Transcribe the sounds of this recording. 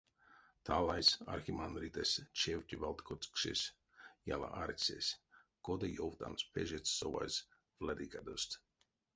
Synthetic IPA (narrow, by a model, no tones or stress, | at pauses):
t̪ʰalˠajsa̰ɾxʲimand̪ɾit̪asʲt͡ʃewt̪ʲivalˠt̪kɔkʃesʲ | ja̰lˠa̰ʔaɾʲsʲesʲɡ̥od̪ajowt̪a̰nspʲeʒet̪sːɔva̰js | vlad̪ikad̪ost̪